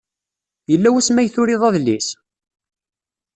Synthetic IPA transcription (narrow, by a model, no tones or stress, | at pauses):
jəlːæwæsmæjθʊɾiðˤæðlis